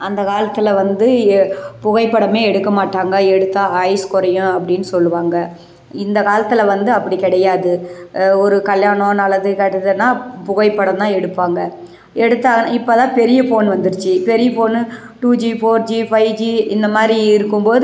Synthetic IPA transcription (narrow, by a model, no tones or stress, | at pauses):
ɐnd̪ɐkaːlɐt̪ːɪlɐʋɐnd̪ɯpʊɣɐɪpːɐɽɐmeːɛɽɯkːɐmaːʈːaːŋɡɐɛɽɯt̪ːaːɐɪskɔɾɐjʊ̃ɐpːɐɽɪnːɯsɔlːɯʋaːŋɡɐ | ɪnd̪ɐkaːlɐt̪ːɯlɐʋɐnd̪ɯɐpːɐɽikɪɽɐjaːðɯɔɾɯkɐljaːɳõːnɐlɐðɯkɐʈːɐðɯnːaːpʊɣɐɪpːɐɽɐt̪ãːɛɽɯpːaːŋɡɐ | ɛɽɯt̪ːaːnɪpːɐt̪ãːpɛɾɪjɐfoːnʋɐnd̪ɯɾɯt͡ʃːɯpɛɾɪjɐfoːn | ʈuːd͡ʒifoːɾd͡ʒifɐɪd͡ʒiɪnd̪ɐmaːd̪ɾiɪɾɯkːɯmboːð